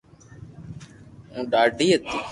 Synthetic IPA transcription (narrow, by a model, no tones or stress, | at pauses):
ũːɗaːɖʱiːɦət̪iː